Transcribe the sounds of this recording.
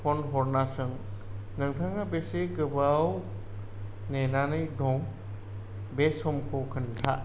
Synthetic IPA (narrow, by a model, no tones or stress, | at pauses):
pʰɔnɦɔɾnasɯŋ | nɯŋtʰaŋabeseɡɯbaw | nenanɯjdɔŋ | besɔmkʰokʰɯntʰa